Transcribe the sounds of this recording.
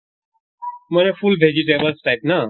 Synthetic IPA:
mənẽfulbʱeːd͡ʒiʈeːbəlsʈaɪpna

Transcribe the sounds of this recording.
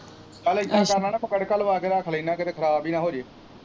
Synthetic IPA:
kəlɪt̪ʰːãːkəɾnaːnãːpəkəɽkəlʋaːkeːɾaːkʰələiːnaːkɪt̪eːkʰəɾaːbiːnãːɦoːd͡ʒeː

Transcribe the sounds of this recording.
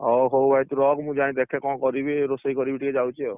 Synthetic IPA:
ɔɦowbʱajt̪uɾɔɡmũd͡ʒaĩd̪ɛkʰɛkɔ̃kɔɾibiɾosəikɔɾibiʈikɛd͡ʒawt͡ʃʰiɔ

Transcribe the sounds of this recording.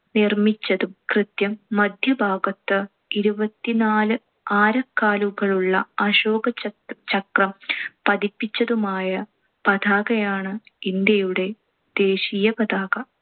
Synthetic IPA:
nirmit͡ɕːɐðumkrɨt̪jɐmːɐd̪ʱjɐbʱaːɡɐt̪ːɨ | iɾubɐt̪ːinaːlɨ | aːɾɐkːaːluɣɐɭuɭːɐɐɕoːɡɐt͡ɕɐkrɐmpɐd̪ipːit͡ɕːɐðumaːjɐ | pɐd̪ʱaːɣɐjaːɳɨind̪jɐjuɽe̞ | d̪̥e̞ːɕiːjɐpɐd̪ʱaːɣɐ

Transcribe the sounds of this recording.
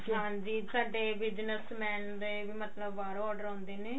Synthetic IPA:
ãːnd̪iːd̪kɐɳʈebid͡ʒnəsmɛːnd̪ebimɐt̪ləbːaːɾoɔːɾɖəɾɦũnd̪eːni

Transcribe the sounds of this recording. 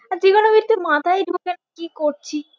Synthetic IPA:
aɾd͡ʑiɡɔnobiɾt̪emat̪ʰaid̪uokɛnekikoɾt͡ɕʰi

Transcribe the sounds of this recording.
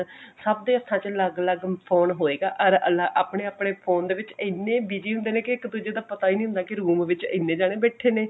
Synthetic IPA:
səb̚d̪eːəst̪ʰãːt͡ʃələɡləɡpʰoːnɦoːeːɡaːʔəɾəlaːʔaːpɽeːaːpɽeːpʰoːnd̪eːʋɪt͡ʃənːeːbiːd͡ʒiːɦʊ̃nd̪eːneːkɪɪkd̪uːd͡ʒeːd̪aːpət̪aːiːnĩɦʊ̃nd̪aːkɪɾuːmʋɪt͡ʃə̰nːẽːd͡ʒaːɽ̃eːbɛːʈʰeːneː

